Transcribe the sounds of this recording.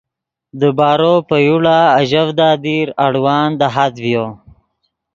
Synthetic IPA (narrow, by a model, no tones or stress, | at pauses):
d̪əbɑːɾopəjuɽaːʒavd̪ɑːd̪iɾaɽwɑːnd̪aɦad̪vjo